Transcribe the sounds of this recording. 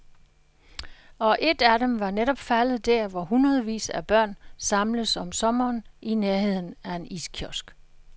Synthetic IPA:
ɒ̽ʔe̝d̥æɾemʋɑ̈neɾɒ̽b̥fælð̞̩ˠd̥æɐ̰ʋɒɦunʁɐð̩ˠʋḭːsæb̥ɶɐ̰nsɑ̈mləsɒ̽msɒ̽mɐːnʔineɐhe̝ð̞̰ˠn̩æe̝niskʰjɒsɡ̥

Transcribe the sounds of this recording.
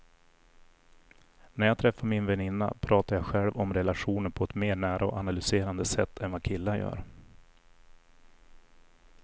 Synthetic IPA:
næɾjɑːt̪ʰɾɛfːaɾmɪnvɛnɪnːa̰pʰɾɑːt̪aɾjɑːɧɛlvɔmɾɛlaɧuːnəɾpʰɔɛt̪meːɳæːɾʔaɔ̰ʔanalʏseːɾand̪əsɛt̪ːɛnvakʰɪlːajœ̰ːɾ

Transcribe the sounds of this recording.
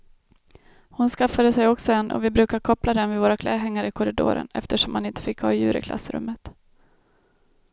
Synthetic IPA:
hʊnskafːad̪əsɛjɔksɔɛnːʔɔ̰vɪbɾʉ̟ːkaɾkʰɔplad̪ɛnvɪvoːɾakʰlɛːɦɛŋːaɾəɪkʰɔɾɪd̪o̰ːɾə̰nɛ̰ft̪əʂɔmhanɪnt̪ə̥fɪkːhɑ̰ːjʉ̟ːɾɪ̰kʰlʔa̰sɾɵ̰mːət̪

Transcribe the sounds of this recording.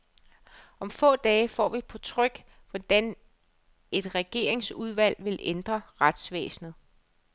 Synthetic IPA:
ʔɒ̽mfɔ̰̽ːd̥ɛːfɒ̰ːʋipʰɒ̽t͡sʰʁœɡ̥ | ʋɒd̥æn | e̝d̥ʁɛɡ̥e̝ːɐ̰e̝ŋsuð̞ˠʋæl̰ʋe̝lend̥ʁɐʁad̥sʋḛːsn̩ð̞̩ˠ

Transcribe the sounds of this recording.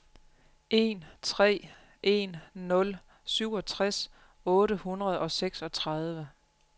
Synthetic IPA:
ʔe̝nt͡sʰʁɛ̰ː | ʔe̝nːɔ̽l | syʊ̰ɒ̽t͡sʰʁas | ɔ̽ːɾəhunʁɐð̞̩ˠɒ̽seɡ̥sɒ̽t͡sʰʁɑð̞ˠʋə

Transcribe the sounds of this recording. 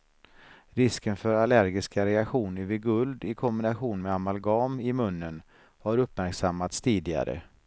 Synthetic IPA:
ɾɪskənfœɾalæɾɡɪskaɾɛakɧuːnɪvɪɡɵld̪ɪkʰɔmbɪnaɧuːnmɛamalɡɑːmɪmɵnːən | haɾɵpːmæɾksamːat̪st̪ʰiːd̪ɪɡa̰ɾə̰

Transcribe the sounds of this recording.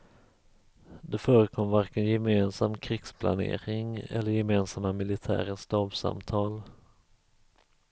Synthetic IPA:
d̪ɛfœːɾəkʰɔmːvaɾkənjɛmeːnsamːkʰɾɪɡ̥spʰla̰nḛːɾɪŋɛ̰lːəɾjɛmeːnsamːamɪlɪt̪ʰæ̰ːɾəst̪ɑːbsa̰mt̪ʰɑːl

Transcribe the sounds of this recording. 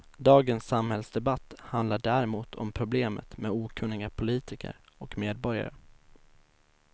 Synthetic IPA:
d̪ɑːɡənsːamhɛlsd̪ɛbat̪ːhand̪laɖæɾɛmuːt̪ʰɔ̰mpʰɾʊbleːmə̰t̪meːd̪uːkʰɵnːɪɡapʰʊliːt̪ʰɪkʰə̰ɾ | ɔkmeːd̪̚bɔɾja̰ɾə

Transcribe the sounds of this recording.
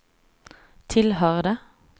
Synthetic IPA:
t̪ʰɪlhɑʁd̪ə

